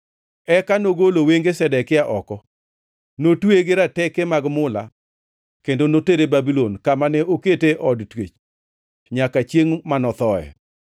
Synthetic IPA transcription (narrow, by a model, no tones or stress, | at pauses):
ɛkanoɡoloweŋɡesɛdɛkɪaʔɔkɔ | notweɡɪɾatɛkemaɡmʊla̰ | kendonoteɾebabilonkamanɛoketeʔɔdtwḛt͡ʃ | ɲakat͡ʃjeŋmanɔt̪ɔɛ̰